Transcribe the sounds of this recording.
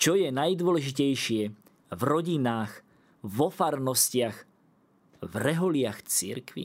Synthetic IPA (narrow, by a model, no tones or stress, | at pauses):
t͡ʃɔjɛnajd̪ʊɔlɛʒicɛjʃɪɛ | vɾɔɟinaːx | vɔfaɾnɔscɪaɣ | vɾɛɦɔlɪaxt͡sḭɾkʋḭ